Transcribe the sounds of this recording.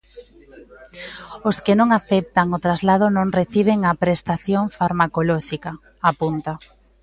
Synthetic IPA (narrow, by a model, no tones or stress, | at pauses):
oskenõŋaθɛp̚t̪aŋot̪ɾazlað̞ʊnõŋreθiβ̞eŋapɾest̪aθjoŋfaɾmakolɔʃika | apunt̪a